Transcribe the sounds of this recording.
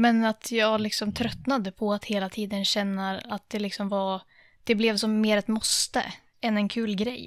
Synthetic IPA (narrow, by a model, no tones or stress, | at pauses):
mɛnat̪ʰjɑːɡlɪksɔmt̪ʰɾœt̪nad̪əpʰɔat̪heːlat̪ʰiːd̪ənɕɛnːaat̪̚d̪̥ɛlɪksɔmvaɾ | d̪̥ɛblɛvsɔmːeːɾɛt̪mɔst̪ə̰ | ɛnɛnkʰʉ̟ːlɡɾɛjː